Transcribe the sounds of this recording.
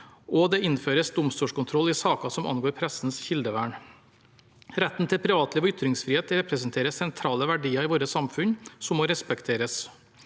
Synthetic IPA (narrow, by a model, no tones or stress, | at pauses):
ʔɔd̪ɛɪnføːɾəsd̪ʊmst̪uːʂkʊnt̪ʰɾɔlːɪsɑːkɑsɔmʔɑ̰nɡoːɾpʰɾɛsnsçɪld̪əʋæ̰ːɳ | ɾɛt̪ːn̩t̪ʰɪlpʰɾɪʋɑːt̪ʰliːʋɔʏt̪ɾɪŋsfɾiːheːt̪ɾɛpɾəsnt̪ʰeːɾəssɛnt̪ʰɾɑːləʋæɖiːəɾɪʋoːɾəsɑmfʉnsɔmːoːɾɛspɛkt̪ʰeːɾəs